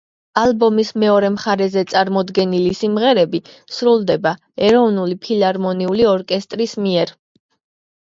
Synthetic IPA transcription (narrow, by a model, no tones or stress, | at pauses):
alˠbɔmismɛɔɾɛmχaɾɛzɛt̪sʼaɾmɔd̪ɡɛnilisimʁɛɾɛbi | sɾulˠd̪ɛba | ɛɾɔvnulipʰilaɾmɔniuliɔɾkʼɛst̪ʼɾismiɛɾ